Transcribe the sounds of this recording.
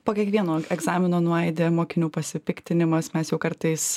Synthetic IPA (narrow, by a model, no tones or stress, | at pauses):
poːkʲiɛkʋʲiɛnoːɛɡzɑːmʲɪnoːnʊɛɪd̪ʲeːmoːkʲɪnʲuːpɐsʲɪpʲɪkt̪ʲɪnʲɪmɐsmʲɛsjɛʊkɐɾt̪ɐɪs